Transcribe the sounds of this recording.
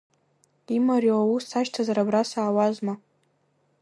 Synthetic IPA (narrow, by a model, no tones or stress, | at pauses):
imaɾiawusaʃtʰazaɾabrasaːwazma